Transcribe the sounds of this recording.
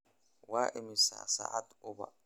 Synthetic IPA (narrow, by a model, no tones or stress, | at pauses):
waːʔɪmɪsa̰ːsa̰ːʕad̪ʊbɐ̰